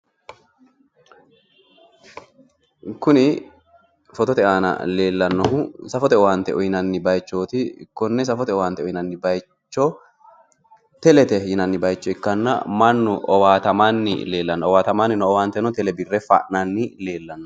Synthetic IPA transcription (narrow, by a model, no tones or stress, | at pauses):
kʊnɪ | fɔt̪ɔt̪ɛʔaːnɐ̰le̞ːlːɐnːɔhʊsɐfɔt̪ɛɔwaːnt̪ɛʔɔjnɐnːɪbɐjt͡ʃːo̞ːt̪ɪ̰kːɔnːɛs̬ɐfɔt̪ɛɔwaːnt̪ɛɔjɪnɐnːɪbɐj | t͡ʃːɔ | t̪ɛlɛt̪ɛjɪnɐnːɪbɐjt͡ʃːɔɪkːɐnːɐ̰mɐnːʊʔɔwaːt̪ɐmanːɪ̰le̞ːlːɐnːɔɔwaːt̪ɐmaːnːɪnɔɔwaːnt̪ɛnɔt̪ɛlɛbɪrːɛfɐ̰ʔnɐnːɪle̞ːlːɐnːɔ